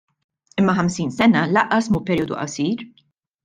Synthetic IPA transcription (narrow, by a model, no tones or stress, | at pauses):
ɪmːɐħɐmsiːnsɛnɐlɐʔːɐsmuːpɛɾiɔːd̪ṵʔɐ̰siːɾ